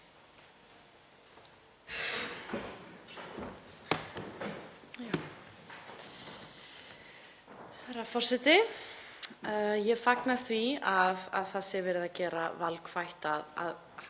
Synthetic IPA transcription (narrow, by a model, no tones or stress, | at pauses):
ja | θɛɾafɔr̥sɛt̪ɪ | jɛfaknaθviaða̰ðθasɪɛvɛːɾɪðacɛːɾa̰valkfajht̪aða̰ð